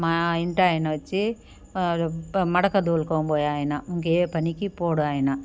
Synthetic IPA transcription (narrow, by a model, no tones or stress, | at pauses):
maːiɳʈaːjɐnɐʋɐt͡ʃːi | mɐɽɐkɐd̪oːlkoːboːjaːjɐnɐuŋkeːpɐnikipoːɽuaːjɐnɐ